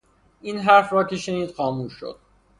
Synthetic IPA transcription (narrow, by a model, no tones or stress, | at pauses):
inɦæɾfɾɒːcʲʰeʃeniːd̪̥xɒːmuːʃːo̰d̪̥